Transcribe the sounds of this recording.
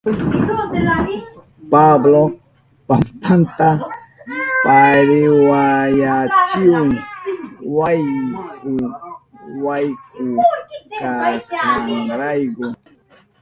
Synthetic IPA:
pablɔ | pampant̪a | paɾiwajat͡ʃion | wajku | wajkukasaŋɾajɡɔ

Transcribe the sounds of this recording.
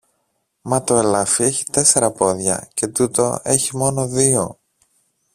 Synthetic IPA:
mɐt̪o̞elɐfie̞çi̥t̪e̞se̞ɾɐpo̞ðʝɐ̰ce̞t̪ut̪o̞̰e̞çimo̞no̞ðio̞

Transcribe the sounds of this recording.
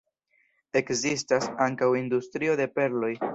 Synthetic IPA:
e̞kzistasaŋkawindustɾio̞de̞pe̞ɾlo̞j

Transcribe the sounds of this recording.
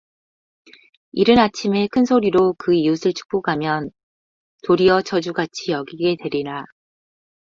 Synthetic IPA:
iɾɯnat͡ɕʰime̞kʰɯnsʰoɾiɾokɯiusʰɯɭt͡ɕʰu̥k̚p͈oɡamjʌn | toɾiʌt͡ɕʰʌd͡ʑuɡat͡ɕʰijʌɡiɡe̞twe̞ɾiɾa

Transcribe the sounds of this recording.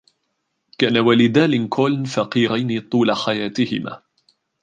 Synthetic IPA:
kaːnawalɪd̪aːlɪnkʰoːlnfaqiːɾajnɪt̪ˤuːlaħajaːt̪ɪhɪ̰ma̰ː

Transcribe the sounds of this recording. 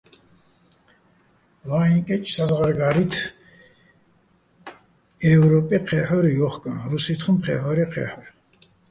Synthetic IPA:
vaikʼɛt͡ʃʼsazʁaɾɡaɾit̪ʰ | ɛvɾɔpʼiqʰɛħɔɾijɔχkʼanɾusit̪ʰχumqʰɛ̰ħɔɾiqʰɛ̰ħɔɾ

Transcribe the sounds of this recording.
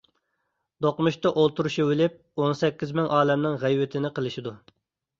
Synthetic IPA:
d̪oqmuʃt̪ɑʔolˠt̪uɾuʃiwɪlɪp̚onsɛkʲːizmɪŋʔɑːlɛmnɪŋʁæjwɪt̪ʰɪnɪqəlˠɪʃid̪u

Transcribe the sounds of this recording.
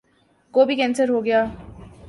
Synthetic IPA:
koːbʱikɛ̃ːnsəɾɦoɡɐjaː

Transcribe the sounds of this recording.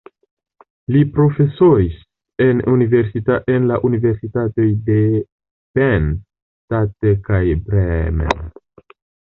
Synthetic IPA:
lipɾo̞fe̞sois | e̞nunive̞ɾsitaʔenlaʔunive̞ɾsitato̞jde̞ | pen | tatekajbɾemḛ

